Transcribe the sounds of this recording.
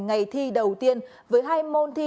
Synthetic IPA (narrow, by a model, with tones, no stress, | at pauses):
ŋa˨˩jt̪ʰi˧ɗə˨˩wt̪i˧ən | vəː˨˦jɦaː˧jmo˧nt̪ʰi˧